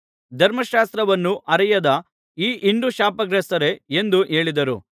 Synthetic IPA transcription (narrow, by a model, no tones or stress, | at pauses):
d̪ʱɐɾmɐʃaːst̪ɾɐʋɐnːuʔɐɾɐjɐd̪ɐ | iːʔiɳɖuʃaːpɐɡɾɛsɐɾe̞end̪uɦe̞ːɭid̪ɐɾṵ